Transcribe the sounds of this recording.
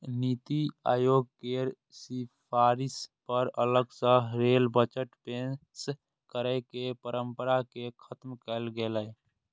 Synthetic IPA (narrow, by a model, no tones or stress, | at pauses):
niːt̪ia̰ːjoːɡ̚keːɾ | sipʰaːɾɪspəɾələɡsə̃ɦɾeːlbət͡ʃəʈpẽns | kəɾəkepəɾəmpəɾakekʰət̪mkəlɡelɛ